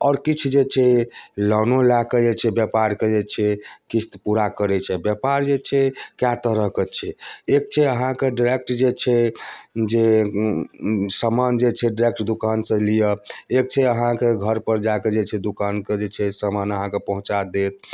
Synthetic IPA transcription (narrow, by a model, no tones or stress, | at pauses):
ɔːɾkit͡ʃʰd͡ʒet͡ʃʰɛlɔnolaked͡ʒet͡ʃʰɛbjəpaɾked͡ʒet͡ʃʰɛkist̪puɾakəɾɛt͡ʃʰɛbjəpaɾd͡ʒet͡ʃʰɛkjat̪əɾəɦket͡ʃʰɛek̚t͡ʃʰɛəɦãkeɖiɾek̚ʈd͡ʒet͡ʃʰɛ | d͡ʒe | səmand͡ʒet͡ʃʰɛɖiɾek̚ʈd̪ukansə̃lijəek̚t͡ʃʰɛəɦãkeɡʱəɾpəɾd͡ʒaked͡ʒet͡ʃʰɛd̪ukanked͡ʒet͡ʃʰɛsəmanəɦãkepəɦũt͡ʃad̪et̪̚ʰ